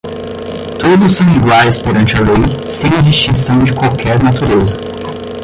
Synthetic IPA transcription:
t̪od̪ʊsːɐ̃w̃iɡwaɾɪspoɾɐ̃nt͡ʃɪɐlejsẽj̃ɐd͡ʒist͡ʃĩsɐ̃w̃d͡ʒɪkwawkʰɛɾnat̪uɾezɐ

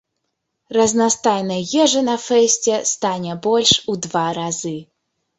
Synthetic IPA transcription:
rɐznast̪ajnɐɣʲɛʐɐnɐfɛsʲt͡sʲɛst̪anʲɛbɔlʲʂud̪vaɾazɨ

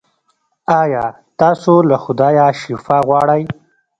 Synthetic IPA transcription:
ɑjɑ | t̪ɑːsolaxʊd̪ɑjɑʃifɑɣwɑɽaj

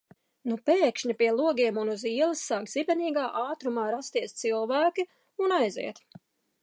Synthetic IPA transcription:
nupɛːkʃɲipiɛlˠuɔɡʲiɛmunuziɛlˠisːaːkz̥ibʲɛniːɡaːʔaːt̪ɾumaːɾast̪iɛst̪silˠvæːkʲi | unajzḭɛt̪

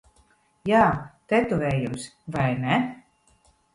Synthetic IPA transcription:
jaːt̪ɛt̪uvʲɛːjumsvajnɛ

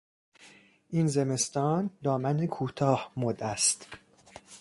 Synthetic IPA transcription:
ʔiːnzeme̞st̪ɒːnd̪ɒːmænekʰuːt̪ʰɒːhmod̪æst̪

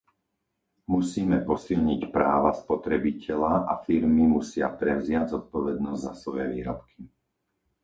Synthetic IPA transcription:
musiːmɛpɔsilɲicpɾaːʋaspɔt̪ɾɛbicʰɛʎaʔafiɾmimusɪa̰pɾɛʊzɪaɟzɔt̪̚pɔʋɛd̪nɔzɟzasʋɔjɛʋiːɾɔpkʰi

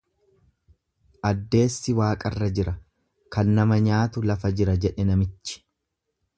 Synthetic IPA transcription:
ʔɐd̪ːe̞ːsːɪwaːkʼɐrːɐd͡ʒɪɾɐ | kɐnːɐmɐɲaːt̪ʊlɐfɐd͡ʒɪɾɐd͡ʒɛᶑɛnɐmɪt͡ʃːɪ̥

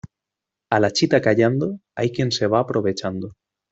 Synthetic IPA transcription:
alat͡ʃit̪akaʎand̪oajkjenseβ̞aːpɾoβ̞et͡ʃand̪o

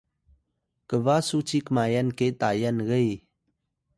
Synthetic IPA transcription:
kəʋasut͡ʃikmaːjənket̪aːjənɣəi

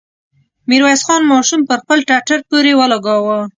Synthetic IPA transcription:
miɾwasxɑnmɑʃumpəɾxpəlʈaʈaɾpoɾewəlaɡɑwə

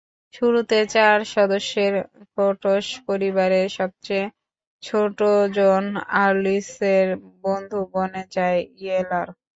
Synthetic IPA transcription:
ʃuɾut̪et͡ɕaɾʃɔd̪oʃːeɾfoʈoʃpoɾibaɾeɾʃɔb̚t͡ɕej | t͡ɕʰoʈod͡ʑonaɾliseɾbond̪ʱubonet͡ɕaeielaɾ

